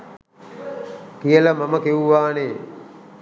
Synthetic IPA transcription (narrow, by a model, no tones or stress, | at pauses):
kijələmaməkeuʋaːneː